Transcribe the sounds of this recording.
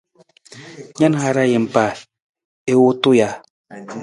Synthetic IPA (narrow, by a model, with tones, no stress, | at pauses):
ɲa˦n˨a˦ɾa˦je˨m̩˨pa˨ | e˦wo˦to˦ja˨